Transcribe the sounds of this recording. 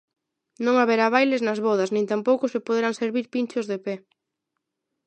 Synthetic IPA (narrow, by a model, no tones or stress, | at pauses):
nõŋaβeɾaβ̞ajlɪznɐzβɔð̞ɐznĩnt̪ampowkʊsepoðeɾaŋseɾβiɾpint͡ʃozðepɛ